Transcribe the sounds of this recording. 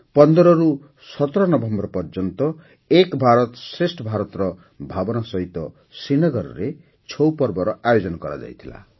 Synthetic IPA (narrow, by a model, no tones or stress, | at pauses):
pɔnd̪ɾɔɾu | sʌt̪ɾɔnʌbʱɔmbɾpɔrd͡ʒɔnt̪ɔ | ekbʱaɾɔt̪sresʈʰbʱaɾɔt̪ɾɔ | bʱabɔnasʌɦit̪ɔ | sinʌɡʌɾɾe | t͡ʃʰowpɔrbɔɾɔajod͡zɔnɔkʌɾa̰d͡ʒa̰jt̪ʰila̰